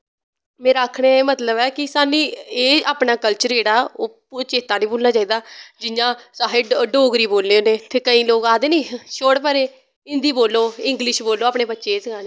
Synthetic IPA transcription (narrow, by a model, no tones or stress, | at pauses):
mɛ̃ːɾaːkʰɽ̃ẽːmət̪ləbɛːkɪsaːnĩːeːaːpnaːkəlt͡ʃəɾeːɽaːoː | t͡ʃeːt̪aːnĩːboːlnaːt͡ʃaːiːd̪aːd͡ʒɪjãːsaːɦeɖɖoːɡɾiːboːlːeːoːneːt̪ʰeːkəĩːloːɡaːd̪eːnĩːʃʰoːɽpəɾeː | ɪ̃nd̪iːboːlːoːɪ̃ŋɡlɪʃboːloːaːpɳeːbətːʃeːsəɡaːneː